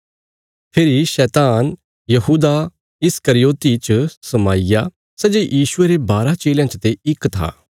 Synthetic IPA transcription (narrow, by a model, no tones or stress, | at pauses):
pʰeːɾiʃɛːt̪aːn | jɐɦuːd̪a | ɪskɐɾɪjoːt̪it͡ʃsɐmaːɪja | sɛd͡ʒejʔiːʃʊeɾebaːɾat͡ʃeːljãt͡ʃət̪eɪkːt̪ʰa̰ː